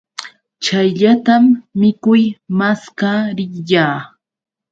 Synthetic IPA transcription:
t͡ʃajʎat̪amːɪkʊjmaskaɾɪjaː

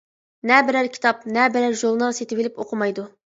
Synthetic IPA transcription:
nɛbɪɾæɾkʲʰi̥t̪ʰɑp̚nɛbɪɾæɾʒolˠnɑɾset̪ɪwɪlɪpoqʰʊmɑjd̪u

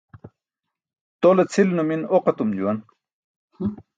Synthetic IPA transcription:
t̪olet͡sʰilnuminoqɐt̪umd͡ʑuwɐn

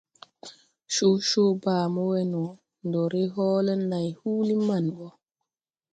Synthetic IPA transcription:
ʃoʃobaːmɔwɛnɔ | ndɔɾɛɦɔːlɛnːajhuːlimanɡɔ

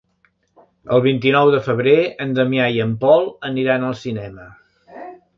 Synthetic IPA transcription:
ə̰lˠβ̞int̪inɔwðəfəβ̞ɾeənd̪əmiajəmpɔlˠəniɾanəlˠsinɛmə

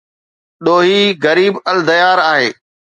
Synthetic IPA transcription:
ɗoːɦiɣɐɾiːbɐld̪ɐjaːɾaːɦeː

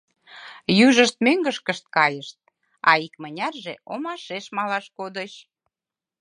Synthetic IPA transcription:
jyʒəʃt̪̚meŋɡəʃkəʃt̪̚kɑjəʃt̪̚ | ɑ̰ikmənʲɑrʒeomɑʃeʃmɑlɑʃkod̪əɕ

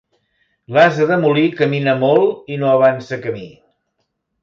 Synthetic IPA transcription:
lazəðəmulikəminəmolˠinoəβ̞ansəkəmi

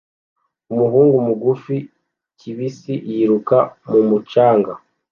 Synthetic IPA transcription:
umuɦuːŋɡumuɡufi | ciβisijiɾukamumut͡ʃaːŋɡa

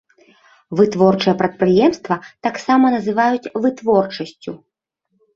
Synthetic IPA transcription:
vɨt̪vɔrt͡ʂɨjɛpɾɐt̪̚pɾɨjɛmst̪vɐt̪aksamɐnɐzɨvajut͡sʲvɨt̪vɔrt͡ʂɐsʲt͡sʲu

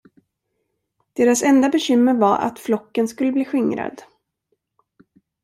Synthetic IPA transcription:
d̪̥eːɾasɛnd̪abɛɕʏmːəɾvaɾʔa̰t̪flɔkːənskɵlːəbliːɧɪŋɾa̰d̪

